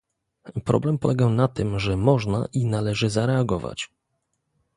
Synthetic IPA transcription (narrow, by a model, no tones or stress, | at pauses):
pɾɔ̰blɛmpɔlɛɡanat̪ɘmʐɛmɔʐna̰ʔinalɛʐɘzaɾɛaɡɔva̰t͡ɕ